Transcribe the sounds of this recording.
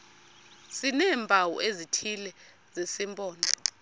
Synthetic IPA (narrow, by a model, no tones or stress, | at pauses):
sinɛːmbʱawɔ̰ʔezitʰilɛ | zesimpʼɔːndʱɔ